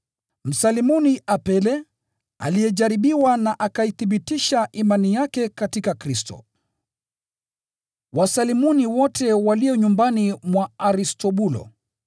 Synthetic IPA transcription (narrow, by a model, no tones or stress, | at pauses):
m̩salimuniʔapɛlɛ | a̰lijɛʄaɾiɓiwanaʔakaiθiɓitiʃaʔimanijakɛkatikakɾistɔ̰ | wasalimuniwɔtɛwaliɔɲumbanimwaaɾistɔɓulɔ̰